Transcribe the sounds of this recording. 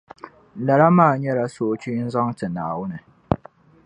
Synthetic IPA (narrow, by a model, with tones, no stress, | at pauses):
lɐ˨ɾa˦maː˦˨ɲɛ˦ɾa˨soː˦t͡ʃi˦n̩˦zɔ˦ŋtɨ˨naː˨wʊ˦ne˨